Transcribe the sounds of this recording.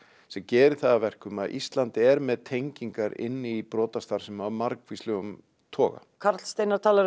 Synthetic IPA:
sɛmcɛːɾɪ̥θaðavɛr̥kʏmaðʔḭst̪lant̪ɪɛɾmɛðt̪ʰejɲciŋkaɾɪ̰nːɪipɾɔːt̪ast̪aɾ̥sɛmavmaɾkvislʏɣʏm | t̪ʰɔːɣa̰kʰaɾt̪lst̪ejnaɾt̪ʰaːlaɾ

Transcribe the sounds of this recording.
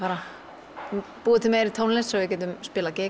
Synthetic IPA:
aːɾa | puːðɪt̪ʰɪmeːɾit̪ʰoːwnlessɛɣvɪcɛːt̪ʏmspɪːlacɛː

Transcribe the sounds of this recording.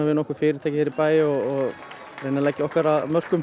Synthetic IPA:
avɪnɔhkʏɾ̥fɪːɾɪ̥t̪ʰaːcɪ̥ɪɾɪɾpaːjɪɔɣɔɣ | reːjnalaːjcːɪɔhkaɾaðmœr̥kʏm

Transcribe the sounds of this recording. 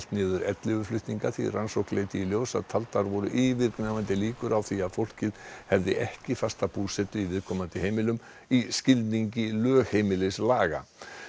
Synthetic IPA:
lt̪nɪːðʏɾɛt̪lɪvʏflʏht̪niŋkaθḭransowklejt̪ɪːljoːwsa̰ðt̪ʰalt̪aɾvɔɾʏʔivɪɾknavant̪ɪliːkʏɾawθiaðfowl̥cɪðhɛvðɪʔɛhcɪfast̪apuːsɛt̪ʏivɪðkʰɔːmant̪ɪhejmɪlʏm | iscɪlt̪niɲcɪlœːɣhejmɪlɪslaːɣa̰

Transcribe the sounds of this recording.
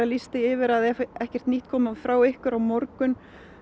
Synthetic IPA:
alist̪ɪɪvɪɾaðɛɛhcɛr̥t̪niht̪kʰɔːmafɾaːwehkʏɾawmɔɾkʏn

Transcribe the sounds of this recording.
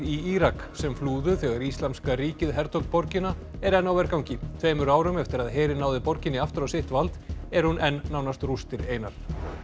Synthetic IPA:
iiːɾaksɛmfluːðʏθɛːɣaɾist̪lamskaɾiːcɪðɦɛɾt̪ʰɔkt̪pɔɾcɪna | ɛɾɛnːawvɛɾkawɲcɪt̪ʰveːjmʏɾaːwɾʏmɛft̪ɪɾaðɦeːɾɪnaːwðɪpɔɾcɪnːɪaft̪ɪɾawsejht̪valt̪ɛɾ̥hunʔɛnːaːwnast̪rust̪ɪɾeːjnaɾ̥

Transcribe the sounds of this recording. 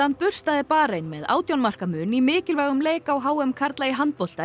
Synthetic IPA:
an̚pʏr̥st̪aðɪpaːɾejnmɛða̰ːwt̪jownmar̥kamʏːnimɪːcɪlvɛɣʏmleːjkawɦaːwɛmkʰaɾt̪lajɪɦant̪̚pɔl̥t̪a

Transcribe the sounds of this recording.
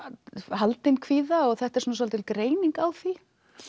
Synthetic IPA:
halt̪ɪnkʰviːðaɔɣθɛht̪ɛɾsɔnas̬ɔlt̪ɪlkɾeːjniŋkawθi

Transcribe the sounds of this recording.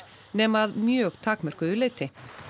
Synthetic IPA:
nɛːmaðmjœːɣt̪ʰaːkmœr̥kʏðʏleːjt̪ɪ

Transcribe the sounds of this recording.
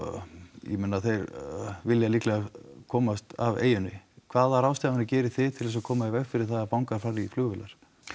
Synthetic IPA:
jɛ̰mɪnːaθejɾvɪljaliːklɛɣakʰɔːmast̪a̰vḛːjʏnɪ̰kʰv̥aːðaɾaːwst̪aːmanɪcɛːɾɪθɪðt̪ʰɪlɛs̬akʰɔːmaɪvɛɣfɪɾɪ̥θaðapawŋkaɾ̥faɾiflʏːɣvɪlaɾ̥

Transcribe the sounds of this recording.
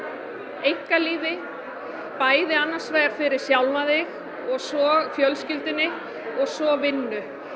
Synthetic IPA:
ejŋ̥kaliːvɪ | paːjðɪanːḁsvaːjaɾ̥fɪɾɪɾ̥sjawlmaðɪɣ | ɔɣsɔɣfjœlscɪlt̪ɪnːɪ | ɔɣsɔvɪnːʏ

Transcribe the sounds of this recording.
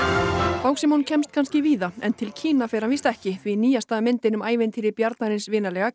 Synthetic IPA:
paːwksɪmoncʰɛmst̪̚kʰanscɪviːðaɛ̰nt̪ʰɪlcʰiːnafɪːɾanviːst̪ɛhcɪθviniːjast̪aːðmɪnt̪ɪnʏmaːjvɪnt̪ʰiːɾɪɾpjaɾt̪naɾɪnsvɪːnalɛːɣa

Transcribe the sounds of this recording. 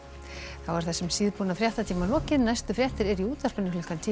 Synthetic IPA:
θawvaɾ̥θɛsːɛmsiːðpuːnafɾjaht̪at̪ʰiːmalɔːcɪðnajst̪ʏfɾjɛht̪ɪɾɛɾiuːt̪aspʏnːʏflʏ̥kant̪ʰiː

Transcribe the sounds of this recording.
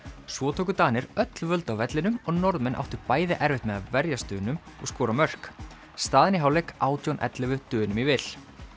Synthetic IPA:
svɔːt̪ʰowkʏt̪aːnɪɾœt̪lvœlt̪awvɛt̪lɪnʏmɔɣnɔɾðmɛnʔa̰wht̪ʏpaːjðɪʔɛɾvɪht̪mɛðaðvɛɾjast̪ʏːnʏmɔɣskɔːɾamœr̥k | st̪aːðɪnɪɦaːwlɛkaːwt̪jownʔɛ̰t̪lɪvʏt̪ʏːnʏmivɪl̥

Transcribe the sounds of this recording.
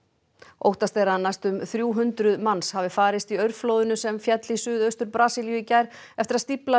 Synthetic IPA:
o̰wht̪ast̪ejɾanajst̪ʏmθɾjuːɦʏnt̪ɾʏðmanshavɪfaːɾɪst̪iœɥɾflowðʏnʏsɛmfjɛt̪lisʏːðœɥst̪ʏɾpɾaːsiljʏicajɾɛft̪ɪɾast̪ipla

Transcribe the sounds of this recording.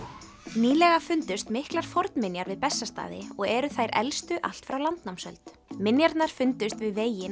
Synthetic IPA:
niːlɛɣafʏnt̪ʏst̪mɪhklaɾ̥fɔɾt̪nmɪnjaɾvɪðpɛsːast̪a̰ːðɪ̰ɔɣɛɾʏθajɾɛ̰lst̪ʏʔa̰l̥t̪fɾawlant̪nawmsœ̰lt̪ | mɪnjaɾt̪naɾ̥fʏnt̪ʏst̪vɪðveːjɪn

